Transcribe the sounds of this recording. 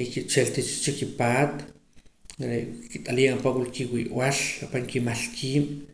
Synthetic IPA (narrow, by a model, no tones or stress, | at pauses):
kit͡ʃelt̪it͡ʃt͡ʃikipaːt̪ | ɾekit̪ʼaliapawulkiwiʔwalapaŋkimaɬkʰiːm